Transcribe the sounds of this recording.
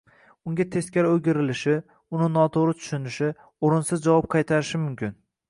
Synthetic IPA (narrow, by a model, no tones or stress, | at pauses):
ʊŋɡʲat̪ʰeskʲaɾoɡʲɪɾɪlɪʃɪ | ʊnɪnɒt̪ʰoɾɪt̪ʰʊ̥ʃɪnɪʃɪ | oɾɪnsɪzd͡ʒavɒp̚qʰɑjt̪ʰaɾɪʃɪmʊmkʲɪn